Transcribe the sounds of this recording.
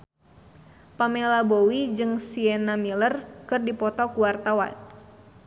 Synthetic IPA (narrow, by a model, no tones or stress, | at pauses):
pamɛlabowid͡ʒɨŋsiɛnamilərkɨrdipɔt̪ɔkuwart̪awa̰n